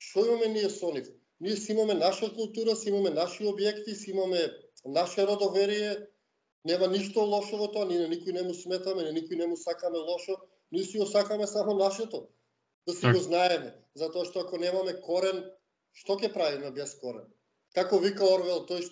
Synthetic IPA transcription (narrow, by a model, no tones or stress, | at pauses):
ʃt̪ɔimamɛniɛsɔnif | niɛsimamɛnaʃakulˠt̪uɾasiimamɛnaʃiobjɛkt̪isiimamɛnaʃɛɾod̪ovɛɾijɛ | nɛmaniʃt̪olˠɔʃɔvɔt̪ɔaninanikoinɛmusmɛt̪amɛninikoinɛmusakamɛlˠɔʃɔ | niɛsiɡɔsakamɛsamɔnaʃɛt̪ɔ | d̪̥asiɡɔznaɛmɛ | zat̪ɔaʃt̪ɔakɔnɛmamɛkɔɾɛn | ʃt̪ɔcɛpɾavinabɛskɔɾɛ̰n | kakɔvikaɔɾvɛlˠt̪oj